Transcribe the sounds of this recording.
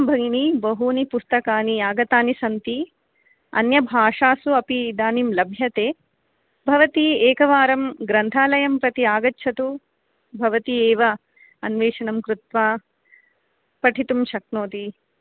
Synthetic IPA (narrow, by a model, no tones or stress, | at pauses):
mbʱɐɡɳibɐɦuːnipust̪ɐkaːniaːɡɐt̪aːnisɐnt̪i | ɐ̰njɐbʱaːʂaːsuɐpid̪aːnimlɐbʱjɐt̪eː | bʱɐʋɐt̪ieːkɐʋaːɾɐmɡɾɐnt̪ʰaːlɐjɐmpɾɐt̪iaːɡɐtːʃʰɐt̪u | bʱɐʋɐt̪ieːʋɐ | ɐnʋeːʂɐnɐmkɾut̪ʋaː | pɐʈʰit̪umʃɐk̚noːt̪i